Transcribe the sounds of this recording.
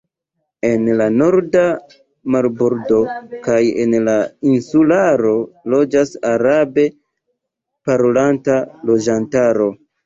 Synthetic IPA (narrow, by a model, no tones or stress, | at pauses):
e̞nlano̞ɾda | maɾboɾdo̞kaje̞̰nlainsulaɾo̞lo̞d͡ʒasaɾabe̞ | paɾolantalo̞d͡ʒantaɾo̞